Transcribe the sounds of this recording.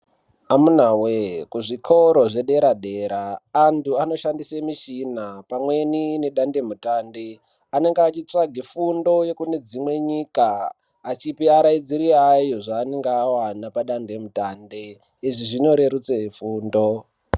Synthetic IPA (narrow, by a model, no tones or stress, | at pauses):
amun̤awekuʐikʰo̞ɾo̞ʐe̞ɗe̞ɾaɗe̞ɾaːntuano̞ʃandisemiʃinapamwe̞nine̞ɗande̞mutaːnde | ane̞ŋɡeat͡ʃit͡saɡʱifundo̞je̞kune̞d͡zimwe̞ɲiːkaː | t͡ʃipiaɾaid͡ziɾiajo̞ʐaːneŋɡeːwanapaɗande̞mutaːnde | iʐiʐino̞ɾe̞ɾut͡sefuːndo̞